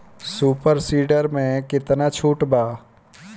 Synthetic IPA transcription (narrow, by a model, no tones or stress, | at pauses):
suːpəɾsiːɖəɾmẽkɪt̪nat͡ʃʰuːʈbaː